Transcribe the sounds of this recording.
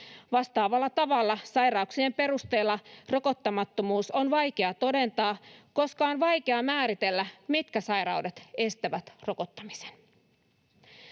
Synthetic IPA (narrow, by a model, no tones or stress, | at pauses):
ʋɑst̪ɑːʋɑlːɑt̪ɑʋɑlːɑsɑjɾɑuksie̞mpe̞ɾust̪e̞ːlːɑro̞ko̞t̪ːɑmɑt̪ːo̞muːso̞nʋɑjke̞ɑt̪o̞de̞nt̪ɑːko̞skɑonʋɑjke̞ɑmæːɾit̪e̞lːæmit̪kæsɑjɾɑwde̞t̪e̞st̪æʋæt̪ro̞ko̞t̪ːɑmi̥se̥n